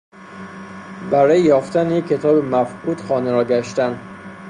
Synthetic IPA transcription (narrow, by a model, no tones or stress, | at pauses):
bæɾɒːjejɒːft̪ænjekʰːe̞t̪ʰɒːbemæfʔud̪̥xɒːneɾɒːɟæʃt̪ænd